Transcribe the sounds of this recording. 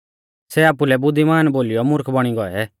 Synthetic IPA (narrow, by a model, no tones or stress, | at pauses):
sɛaːpulɛbʊd̪ʱːimaːnboːlijɔmʊɾkʰbɐɽ̃iɡɔɛ